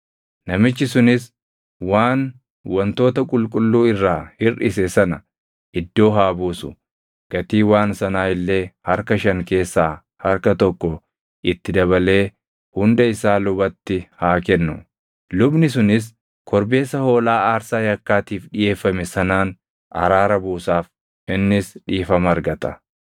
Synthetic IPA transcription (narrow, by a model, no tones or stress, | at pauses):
nɐmɪt͡ʃːɪsʊnɪs | waːn | wɐnt̪o̞ːt̪ɐkʼʊlkʼʊlːuːɪrːaːhɪrɪsɛsɐnɐ | ʔɪd̪ːo̞ːɦaːbuːsʊ̥ | ɡ̥ɐt̪iːwaːnsɐnaːɪlːe̞ːhɐɾkɐʃɐŋke̞ːsːaː | hɐɾkɐt̪ɔkːɔ | ʔɪt̪ːɪd̪ɐβɐle̞ː | hʊnd̪ɐɪsaːlʊbɐt̪ːɪhaːkɛnːʊ̰ | lʊbnɪs̬ʊnɪs̬ | kʰɔɾbe̞ːsːɐho̞ːlaːaːɾsaːjɐkːaːt̪iːfᶑɪje̞ːfːɐmɛsɐnaːn | ʔɐ̰ɾaːɾɐbuːsaːf | ʔɪnːɪsᶑiːfɐmɐɾɡɐt̪ɐ̥